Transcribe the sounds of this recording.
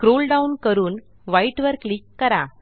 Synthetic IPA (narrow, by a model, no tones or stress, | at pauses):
kɾoːlɖɐʊnkɐɾun | ʋɐɪʈʋɐɾkɭɪkːɐɾaː